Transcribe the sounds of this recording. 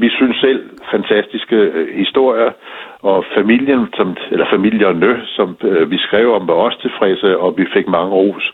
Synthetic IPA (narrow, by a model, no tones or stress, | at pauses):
ʋisynsːel̰fænt͡sʰæsd̥isɡ̥əhisd̥o̝ɐ̰jɐ | ɒ̽fæmil̰jənsɒ̽melɐfæmil̰jɐnøsɒ̽mʋisɡ̥ʁɛʊ̰ɒ̽mʋɑ̈ɒ̽st͡sʰe̝lfʁɛsəɒ̽ʋife̝ɡ̥mɑ̈ŋəʁo̝̰ːs